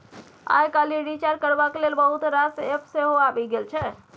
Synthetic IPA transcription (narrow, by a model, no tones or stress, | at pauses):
a̰jkaliɾit͡ʃaɾkəɾbaklelbəɦut̪ɾasepseɦoabiɡelt͡ʃʰɛ